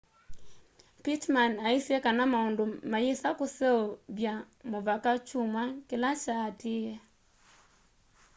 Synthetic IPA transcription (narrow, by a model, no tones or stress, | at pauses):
pitmanaisjɛkanamaondomajesakosɛɔβja | moβakat͡ʃumwakelat͡ʃaːtiɛ